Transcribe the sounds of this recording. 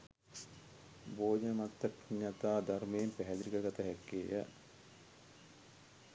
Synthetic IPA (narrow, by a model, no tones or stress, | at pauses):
boːd͡ʒənmat̪ːɐkɲːat̪aːd̪armeːmpæɦɛd̪ɾikəɡat̪ɐɦɛkːeːjə̰